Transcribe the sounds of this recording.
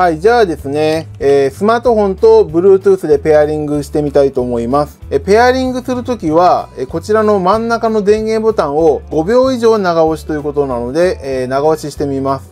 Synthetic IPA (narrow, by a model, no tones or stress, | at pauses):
haid͡ʑaːd̪e̞sɨne̞ːsɨmaːt̪o̞ɦõ̞nt̪o̞bɯ̟ɾɯ̟ːt̪ɯːsɨd̪e̞pe̞aɾʲĩŋɡɯ̟ɕi̥t̪e̞mʲit̪ait̪o̞ːmo̞imasɨ̥epe̞aɾʲĩŋɡɯ̟sɨɾɯ̟t̪o̞kʲiβaeko̞t͡ɕiɾano̞mãnːakano̞d̪ẽ̞ŋɡẽ̞mbo̞t̪ãɰ̃o̞ɡo̞bʲo̞ːiʑo̞ːnaɡaoɕi̥t̪o̞jiɯ̟ko̞t̪o̞nano̞d̪e̞ʔːnaɡaoɕiɕi̥t̪e̞mʲimasɨ̥